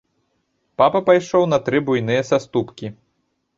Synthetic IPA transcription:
papɐpajʂɔwnɐt̪ɾɨbujnɨjɐsast̪upkʲi

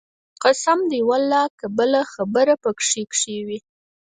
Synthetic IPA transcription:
qasamd̪ewalːɑkabəlaxabəɾapəkʂekʂewi

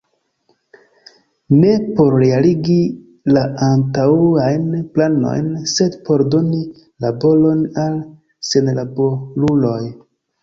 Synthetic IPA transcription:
ne̞po̞ɾɾealiɡi | laantauajnplano̞̰jnse̞dpo̞ɾdo̞ni | labo̞lo̞nal | se̞nlaboɾulo̞j

